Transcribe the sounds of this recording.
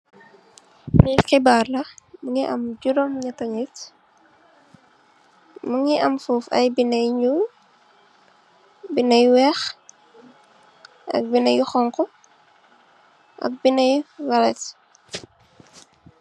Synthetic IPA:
nixibaːrlɐmuŋiʔɐ̰mɟuɾɔmɲɐtɐɲit | muŋiɐmfuːfɐ̰jbinɐjɲu | binɐjwɛx | ʔɐ̰k̚binɐjuxɔŋkɔ | ʔɐ̰k̚binɐjwɐlɛt

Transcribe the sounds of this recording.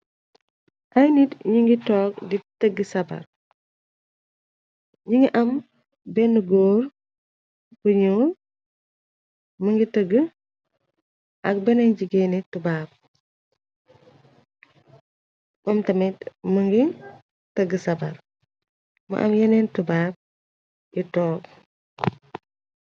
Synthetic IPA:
ʔɐjnitɲuŋɡitɔːk̚ditəɡəsɐbɐ̰r | ɲuŋɡiʔɐm | bɛnəɡoːɾ | buɲuː | məŋɡitəɡə | ʔɐk̚bɛnɐɲɟiɡɛnitubaːb̚ | ʔɔmtɐmɛtməŋɡi | təɡəsɐbɐɾ | mɐ̰ʔɐ̰mjɐnɛntubaːb̚ | jitɔːk

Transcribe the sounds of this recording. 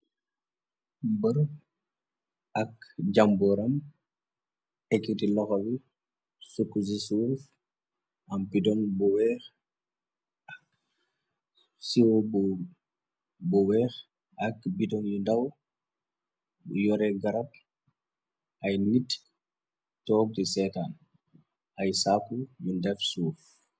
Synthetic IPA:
bəɾu | ɐkɟambɔɾɐm | ɛkːitilɔxowi | sukːusisuɾf | ɐmbidɔnbuwɛːx | ak̚ | siwobu | buwɛːx | ʔɐkbidɔnjundaw | jɔɾɛɡɐɾap̚ | ʔɐjnit | tɔːk̚tisɛtan | ʔɐjsaːkːujundɛfsuːf

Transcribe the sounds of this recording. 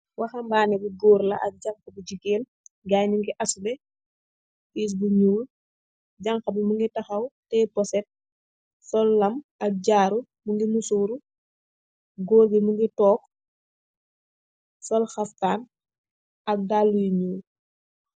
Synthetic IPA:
wɐxɐmbaːnɛbiɡoːɾlɐʔɐk̚ɟɐŋxɐbiɟikeːl | ɡaːɲuŋɡiʔɐsubɛ | is̬buɲuːl | ɟaŋxɐbimuŋɡitɐxɐwtɛːpɔsɛt̚ | sɔlːɐmɐk̚ɟaːɾu | muŋɡimusuːɾu | ɡoːɾbimuŋɡitɔːk | sɔlxɐftaːn | ɐk̚dalːujiɲuːl

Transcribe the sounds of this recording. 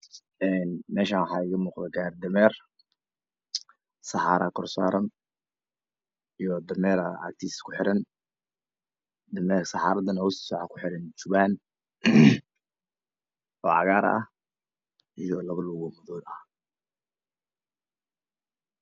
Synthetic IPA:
ʔɛnmɛːʃaːwħɑːɪɣɐmuːqd̪ɛɡaːrd̪ɐmɛːr | sɑħɑːɾɐkʰɔrsaːɾɐn | ijɔd̪ɐmɛːɾɐa̰k̚t̪ʰiskʰʊħɪɾɐn | d̪ɐmɛːsɑħɑ̰ːɾɐd̪ɐnhɔssɔʕɑkʰʊ̥ħɪɾɪnt͡ʃʊβaːn | ɔːʕɑ̰ɣaːɾɐ̰h | ʔijɔlɐβɐlʊɣɔmʊðɔːlɐh

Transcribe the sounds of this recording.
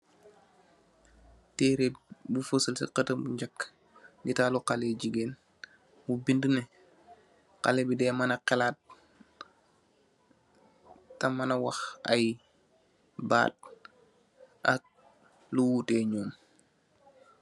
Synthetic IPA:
teːɾebufəsəlsḭqətəmbuɲɟakː | ɡitaːluqaleɟiɡeːn | wubindəne | qa̰lebidɛːmanɐqɛlaːt̚ | ɐmːanawaxɐ̰j | ba̰ːt̚ | ʔak̚ | luwuteːɲɔːm

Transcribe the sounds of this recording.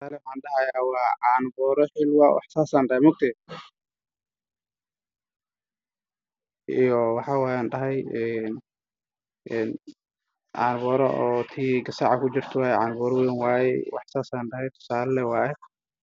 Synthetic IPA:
saːlɛwħaːnɖɐhɐjaːwɑːʕɑːnbɔːɾɔħɪlwaːwɑ̰ħsaːsaːnɖɐhɛmʊɡ̚t̪ʰɛ | ijɔwɑħɑːwaːjaːnɖɐɦɛjɛn | ɛːn | ʕɑːnbɔːɾɔ̰ɔːt̪ʰiːɡɐsaːʕakʰʊd͡ʒɪrt̪ʰʊwaːjɛʕaːnbɔːɾɔwɛnwaːjɛ̰wɑ̰ħsaːsaːnɖɐɦɛjt̪ʰʊ̥saːlɐlɛwaːjɛ

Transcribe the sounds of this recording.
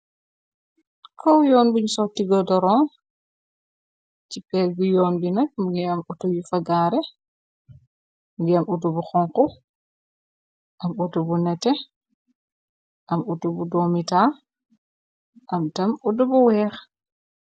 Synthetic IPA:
kʰɔwjɔːnbuɲsɔtiɡɔdɔɾɔːn | cipɛlɡujɔːnbinɐk̚muɡiɐmutujufɐɡaːɾɛ | muɡiɐmutubuxɔŋqu | ʔɐmutubunɛtɛ | ʔɐmutubudɔmitaː | ʔɐmtɐmudubuwɛːx

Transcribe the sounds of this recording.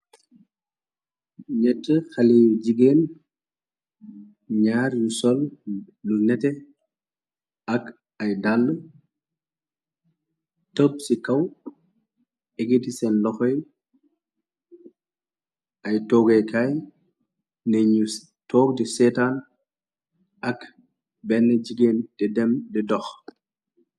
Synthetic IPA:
ɲɛtːəxɐliɟiɡeːn | ɲaːɾjusɔlː | unɛtɛ | ɐk | ɐjdalːə | təp̚sikɐw | ʔɛɡitisɛnlɔxɔj | ɐjtɔːɡɛjkaj | nɛɲu | tʰɔːɡ̚dɛsɛtan | ʔɐk | bɛnːɛd͡ʒiɡend̥ɛdɛmdɛdɔx

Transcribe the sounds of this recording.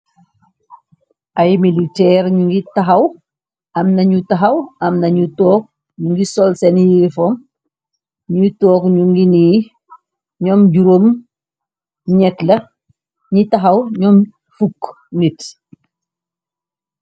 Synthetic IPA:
ʔɐjmilitɛːrɲuŋɡitɐɦɐw | ɐmnɐɲutɐɦɐwɐmnɐɲutɔːk̚ | ɲuŋɡisɔlsɛnjifɔm | ɲutɔːkɲuŋɡiniː | ɲɔmɟuɾom | ɲɛtlɐ | ɲitɐɦɐwɲɔm | fukː | nit

